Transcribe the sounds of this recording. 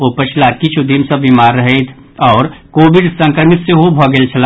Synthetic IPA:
opɐt͡ʃʰlakit͡ʃʰud̪imsəbimaːɾːəɦet̪ʰ | ɔːɾkoːʋɪɖsə̃ŋkɾəmɪt̪seɦobʱɔɡelt͡ʃʰɐla

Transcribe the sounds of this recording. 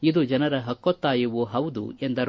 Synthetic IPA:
id̪ud͡ʒɐnɐɾɐɦɐkːot̪ːaːjuʋuɦɐwd̪ṵend̪ɐɾ

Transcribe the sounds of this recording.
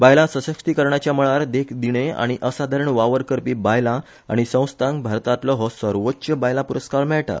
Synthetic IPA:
bajlãsəsəkst̪ikəɾɳjat͡ɕjaməɭaɾd̪ekʰd̪iɽ̃ea̰ɽ̃iʔəsad̪ʱaɾəɳʋaʋəɾkəɾpiːbajla | a̰ɽ̃isə̃w̃st̪ãŋɡbʱaɾt̪at̪lɔɦɔsəɾʋotːɕəbajlãpuɾəskaɭmɛɭʈa̰

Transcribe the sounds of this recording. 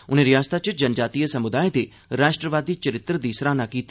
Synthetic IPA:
ʊnẽːɾɪjaːst̪ʰat͡ʃəd͡ʒɐnd͡ʒaːt̪ijəsɐmʊd̪aːed̪e | ɾaːʃʈɾəʋaːd̪it͡ʃəɾɪt̪ːɾəd̪iːsɾaːnakiːt̪ː

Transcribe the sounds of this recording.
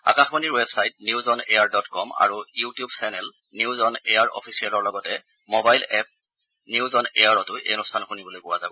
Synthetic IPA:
a̰kaxmaniɹwebsajt̚niwzɔneaɹdɔtkɔma̰ɹujutijubsɛnɛl | niʊzɔnejaɹʔɔ̰pʰisialɔɹlɔɡɔtɛ | mobajlɛp̚ | niʊzɔnḛjaɹɔtʊʔḛnustʰanxunibolojbʊwazabɔ

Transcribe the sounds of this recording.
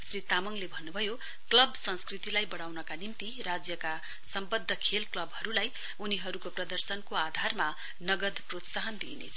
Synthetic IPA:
srit̪amʌŋlebʱʌnːubʱʌjo | klʌbsʌ̃nskrit̪ilajbʌɽ̃awnʌkanimt̪iɾad͡zjʌka | sʌmbʌd̪ʱːʌkʰelklʌbɦʌɾulaj | uniɦʌɾukoprʌd̪ʌrsʌnkoad̪ʱarma | nʌɡʌd̪prot̪saɦʌnd̪ḭnḛt͡sʰʌ̥

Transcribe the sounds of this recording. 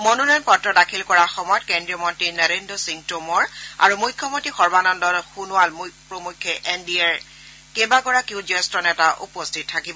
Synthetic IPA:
mononɔjɔnpɔtɹɔdakʰilkɔɹaxɔmɔjɔtkendɹiɔmɔntɹinɛɹendɔsiŋtomɔɹa̰ɹumujkʰːɔmotixɔɹbanɔndɔlxunʊwalmpɹomukʰːɛʔɛndiɛɹ | kebakɔɹakiʊzɔstɔnɛtaʔṵpɔstʰittʰːakibɔ

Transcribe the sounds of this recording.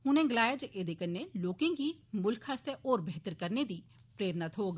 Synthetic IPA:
ɦʊnẽːɡɪlaːjeːd͡ʒʔeːd̪eːkənːeːloːkẽːɡiːmʊlkʰːast̪eʔoːɾbʱeːt̪əɾkəɾneːd̪iː | pɾeːɾnaːt̪ʰɦoːɡ

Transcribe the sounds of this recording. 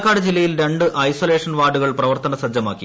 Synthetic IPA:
kːaːɽɨd͡ʑilːɐjilɾe̞ɳɖɨʔɐjsoːle̞ːʂɐnʋaːɖuɣɐɭprɐʋɐrt̪ɐnɐsɐd̪ːjɐmaːkːi

